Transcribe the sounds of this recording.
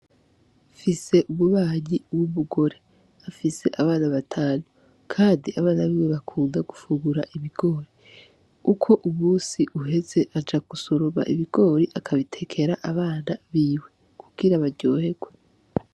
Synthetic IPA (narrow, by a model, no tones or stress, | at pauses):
fise̞ʔuβuβaːɲiwuβuɡo̞ɾe̞ | afise̞ʔaβaːnaβatʰaːnu | kʰaːndiaβaːnaβiːweβakʰuːŋɡaɡufuɡuɾaʔiβiɡ̥o̞ːɾi | ukʰo̞ʔumuːnsiʔuɦe̞ze̞ʔad͡ʒaɡuso̞ɾoβa̰ʔiβiɡ̥o̞ːɾiʔakʰaβitʰe̞kʰe̞ɾaʔaβaːnaβiːwe̞ | kʰuɡ̥iɾaβaɾɟo̞ːhe̞ɡwe